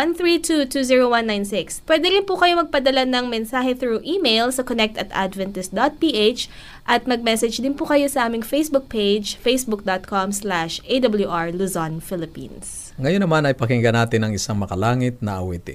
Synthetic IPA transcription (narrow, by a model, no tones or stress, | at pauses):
ɐnθɹiːt̪ut̪uːziɹowɐnːajnsɪkspwɛd̪ɛɾɪnpʊkɐjo̞mɐɡ̚pɐd̪ɐlanɐŋmɛnsaːɦɛθɾuʔiːmejlsɐkonɛk̚t̪ɐt̪a̰d̪vɛnt̪ɛst̪̚d̪ot̪̚piːʔet͡ʃ | ʔɐt̪̚mɐɡ̚mɛsɛd͡ʒd̪ɪnpʊkɐjo̞sɐʔaːmɪŋfejsbʊk̚pejd͡ʒfejsbʊk̚d̪ot̪̚kʰomslaʃʔejd̪ɐbɐljuʔaɹluzanfɪlɪpḭns | ŋɐjonːɐmanɐjpɐkɪŋɡɐnaːt̪ɪnɐŋɪsaŋmɐkɐlaːŋɪt̪̚nɐʔɐ̰wɛːt̪ɪ̰